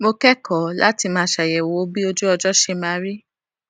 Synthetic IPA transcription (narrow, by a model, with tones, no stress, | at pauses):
mo˧kɛ˦kʰɔ˨la˦ti˧mãː˧˦ʃa˨jɛ˨wo˨˦bi˦o˧d͡ʒu˦ɔ˧d͡ʒɔ˦ʃe˧mã˧˦ɾi˦